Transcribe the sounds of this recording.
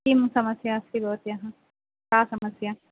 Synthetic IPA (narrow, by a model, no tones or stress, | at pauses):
imsɐməsjaɐsibɔːt̪jɐɦã | kaːsɐməsja